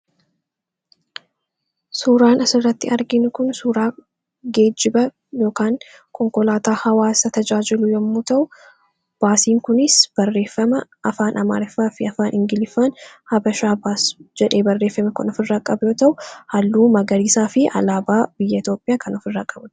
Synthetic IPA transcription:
suːɾaːnɐsɪrːɐt̪ːɪɐɾɡɪnʊkʊnsuːɾaː | ɡe̞ːd͡ʒɪbɐ | jo̞ːkaːŋ | kʰɔŋkɔlaːt̪aːhɐwaːsɐt̪ɐd͡ʒaːd͡ʒɪlʊjɐmːuːt̪ɐʔʊ | b̥aːsiːŋkʊnɪsb̥ɐrːe̞ːfːɐmɐʔɐfaːnʔɐma̰ːɾɪfːaːfɪɐfaːnʔɪŋɡɪlɪfːaːnhɐbɐʃaːbaːsd͡ʒɛᶑeːbɐrːe̞ːfːɐmɛkɐnɔfɪrːaːkʼɐbʊjoːt̪ɐʔʊhɐlːuːmɐɡɐɾiːsaːfɪʔɐ̰laːbaːb̥ɪjːɐɪt̪jo̞ːpʼːɪjaːkɐnɔfɪrːaːkʼɐbʊ̥

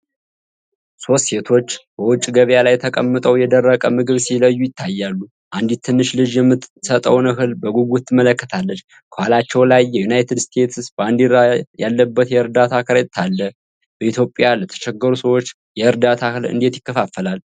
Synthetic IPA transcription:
so̞st̪se̞t̪ʰo̞t͡ʃːb̥əwʊt͡ʃʼːɡəβjalajt̪ʰəkʼəmːət̪ʼəwjɛd̪ərːəkʼəmɨɡɨβsiləjːujɪt̪ʰːajːalːu | ʔand̪it̪ʰːɨnːɨʃlɨd͡ʒjɛmːɨt̪sət̪ʼəwnɨɦɨlbəɡuɡut̪ʰːɨmːələkːə̥t̪ʰalːət͡ʃː | kʰəhalat͡ʃːɛwlajːɛjunajt̪ʰɨd̪st̪ʰe̞t̪sbəand̪iɾajalːəbːət̪jɛɨɾd̪at̪ʰakʰɨɾet̪ʰːalːə | b̥əit̪ʰjo̞pʼjalət̪ʰə̥ʃɛɡːəɾusəwo̞t͡ʃː | jɛɨɾd̪at̪ʰahɨlɨ̰nd̪e̞t̪jɪkːəfafːəlal

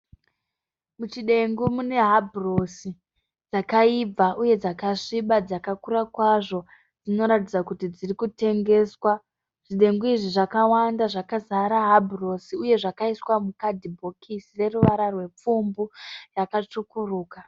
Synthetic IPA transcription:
mut͡ʃiɗe̞ŋɡumune̞ɦabʱro̞si | d͡zakaib͡vaʔuje̞d͡zakaʂiɓad͡zakakuɾakwaʐo̞ | d͡zino̞ɾat̬id͡zakutid͡zirikute̞ŋɡe̞ːswa | ʐ̥iɗe̞ŋɡuiʐiʐakawandaʐakazaɾaɦabʱro̞siuje̞ʐakaiswamukadʱibʱo̞kʰisire̞ruʋaɾarwe̞p͡fumburakat͡ʂukuruːka

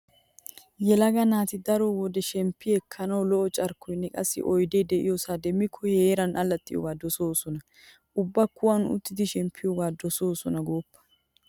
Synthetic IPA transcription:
jɛlɐɡɐnaːt̪ɪd̪ɐɾɔwɔd̪ɛʃɛmpːɪɛkʰːɐnɐwlɔʔɔt͡ʃʼɐɾkːɔjnːɛkʼɐsːɪ̰ʔɔjd̪ɛjd̪ɛʔɪjosaːd̪ɛmːɪkʰːɔheːɾɐnʔɐlɐt̪ʼːɪjo̰ːɡaːd̪ɔsoːsɔnɐ | ʔʊbːɐkːʊwɐnʊ̰t̪ːɪd̪ɪʃɛmpʰːɪjoːɡaːd̪ɔso̞ːsɔnɐɡo̞ːpːɐ̥

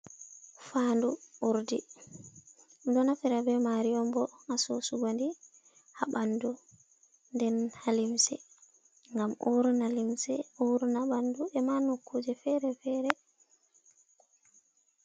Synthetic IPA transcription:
fanduuɾdi | dɔnafiɾabɛmaɾiɔmbɔŋasosuɡandi | haɓandu | ndɛnhalimsɛ̰ | ŋɡamuɾnalimsɛuɾnaɓanduɛmanokʰːud͡ʒɛfɛɾɛfɛːɾɛ

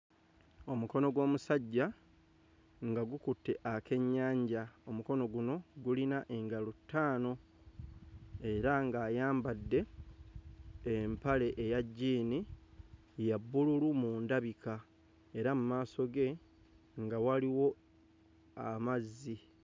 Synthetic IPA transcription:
o̞muko̞no̞ɡwo̞ːmusaɟːa | ŋɡaɡukutːe̞ʔakʰe̞ɲːaːɲɟao̞muko̞no̞ɡuno̞ɡulinaʔe̞ŋɡalutːaːno̞ | e̞ɾaŋɡaːjaːmbadːe̞ | mpale̞ʔejaɟːiːni | jabːululumuːndaβikʰa | e̞ɾamumaːso̞ɡe̞ | ŋɡawaliwo̞ | a̰mazːi

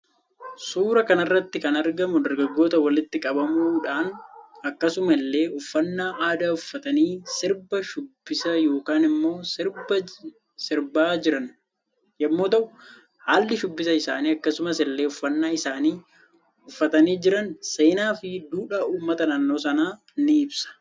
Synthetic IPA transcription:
suːɾɐkɐnɐrːɐt̪ːɪkɐnɐɾɡɐmʊd̪ɐɾɡɐɡːo̞ːt̪ɐwɐlɪt̪ːɪkʼɐbɐmuːᶑaːnɐkːɐsʊmɐlːe̞ːʊfːɐnːaːʔaːd̪aːʊfːɐt̪ɐniːsɪɾbɐʃʊbːɪsɐjo̞ːkaːnɪmːo̞ːɪɾbɐ | sɪɾbaːd͡ʒɪɾɐn | jɐmːo̞ːt̪ɐʔʊ | haːlːɪʃʊbːɪsɐɪsa̰ːniːɐkːɐsʊmɐsɪlːe̞ːʊfːɐnːaːɪsaːniː | ʊfːɐt̪ɐniːd͡ʒɪɾɐnse̞ːnaːfɪd̪uːᶑaːuːmːɐt̪ɐnaːnːo̞ːsɐnaː | nːɪɪbsɐ̥

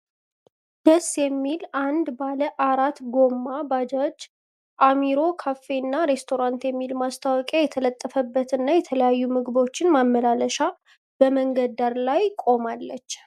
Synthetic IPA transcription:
d̪̥əsjɛmːiland̪baləʔaɾat̪ɡo̞mːabad͡ʒad͡ʒ | ʔamiɾo̞kʰafːe̞nːaɾe̞st̪ʰo̞ɾant̪jɛmːilmast̪ʰawɔkʼjajɛt̪ʰələt̪ʼːəfəbːət̪ɨnːajɛt̪ʰələjajːumɨɡɨbo̞t͡ʃːɪnmamːəlaləʃa | b̥əməŋɡəd̪aɾlajkʼo̞malːət͡ʃː

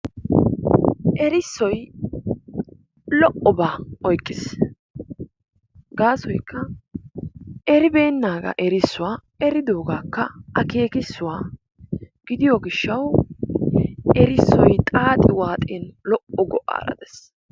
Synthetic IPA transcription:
ʔɛɾɪsːɔj | lɔʔɔbaːɔjkʼːɪs | ɡaːsɔjkːɐ | ʔɛɾɪbe̞ːnːaːɡɐ̰ʔɛɾɪsːʊwaː | ɛɾɪd̪o̞ːɡaːkːɐʔɐke̞ːkɪsːʊwaː | ɡ̥ɪd̪ɪjɔɡɪʃːɐw | ʔɛɾɪsːɔjt̪ʼaːt̪ʼɪwaːt̪ʼɛnlɔʔɔɡɔʔa̰ːɾɐ̰d̪ɛs

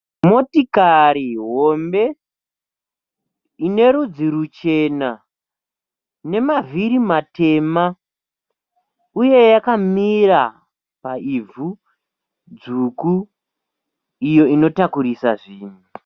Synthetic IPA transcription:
mo̞tikaɾiɦo̞mbe̞ | ine̞ɾud͡ziɾut͡ʃe̞na | ne̞maviɾimate̞ma | uje̞jakamira | paivu | d͡zuku | ijo̞ino̞takuɾisaʐiːnu

